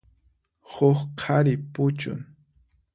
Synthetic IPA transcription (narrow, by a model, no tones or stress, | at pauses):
hʊχqʰaɾɪpʊt͡ʃʊ̰ŋ